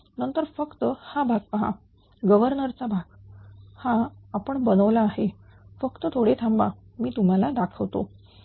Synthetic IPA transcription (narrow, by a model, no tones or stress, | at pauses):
nənt̪əɾfəkt̪əhabʱaɡ̚pəɦa̰ | ɡəʋəɾnəɾt͡sabʱaɡhãapəɳbənəʋlaːɦefəkt̪ət̪ʰoɽet̪ʰamba̰ | miːt̪um̤alad̪akʰəʋt̪o̰